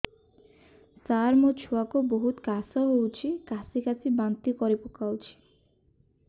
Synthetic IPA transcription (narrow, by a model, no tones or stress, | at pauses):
saɾmot͡ʃʰuakuboɦut̪kasɔɦowt͡ʃʰikasikasʰibant̪ikɔɾipukawt͡ʃʰi̥